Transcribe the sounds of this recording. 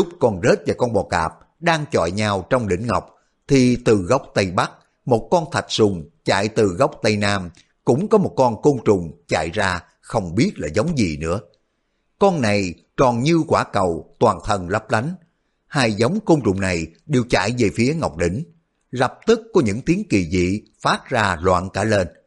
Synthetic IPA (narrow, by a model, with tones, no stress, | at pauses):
zʊ˦˥k͡p̚kɔ˨˩nze˦˥t̚vaː˨˩kɔ˧nɓɔ˨˩ka̰ː˨˩p̚ | ɗaː˧ŋt͡ɕɔ̰˧˨jɲaː˧wt͡ɕɔ˧wŋ͡mɗḭ̈˧˥˦ŋ̟ŋa˨˩wk͡p̚ | t̪ʰi˨˩t̪ɨ˨˩ɣa˦˥wk͡p̚t̪ə˧jɓa˦˥k̚ | mo˨˩t̚kɔ˧nt̪ʰa˨˩t̚sʊ˨˩ŋ͡mt͡ɕa̰ː˧˨jt̪ɨ˨˩ɣa˦˥wk͡p̚t̪ə˧jnaː˧m | kʊ̰˧˥ŋ͡mkɔ˨˦mo˨˩t̚kɔ˧nko˧ŋ͡mt͡ɕʊ̰˧˨ŋ͡mt͡ɕa̰ː˧˨jzaː˧ | xə˧wŋ͡mɓi˦˥ət̚laː˨˩zə˨˦wŋ͡mzi˨˩nɨ̰˧˥ə | kɔ˧nːa˨˩j | t͡ɕɔ˨˩nɲɨ˧kwaː˧˩kə˨˩wt̪waː˨˩nt̪ʰə˨˩nlə˦˥p̚la˨˦jŋ̟ | haː˧jza˨˦wŋ͡mko˧ŋ͡mt͡ɕʊ̰˧˨ŋ͡mna˨˩jɗe˨˩wt͡ɕa̰˧˨jve˨˩fi˨˦əŋa˨˩wk͡p̚ɗḭ̈˧˩˦ŋ̟ | lə˨˩p̚t̪ɨ˦˥kːɔ˨˦ɲɨ̰˧˥ŋt̪i˨˦əŋki˨˩zḭ˧˨faː˦˥t̚zaː˧lwa̰ː˧˨nkaː˧˩le˧n